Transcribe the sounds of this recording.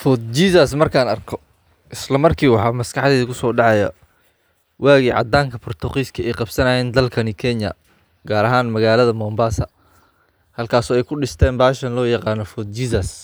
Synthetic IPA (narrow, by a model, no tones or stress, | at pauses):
fɔd̪̚t͡ʃiːsɐsmɐrkʰaːnɐrkʰɔ | ʔɪslɐmɐrkʰiːwɑħɑːmɐskʰɑħðɛːðɐkʰʊsɔːɖɑʕɑjɐ̰ | waːɣiːʕɑ̰d̪aːŋkʰɐpʰʊrt̪ʰɐqiːskʰɐɛjqɑb̥sɐnɐjɛːnd̪ɐlkʰɐnikʰɛnjɐ̰ | ɡaːɾɐɦaːnmɐɣaːlɐðɐmɔːmbaːsɐ | hɐlkʰaːsɔːɛjkʰʊɖɪst̪ʰɛːnbaːʃɐnlɔːjɑqɑːnɔfɔd̪̚t͡ʃisɐs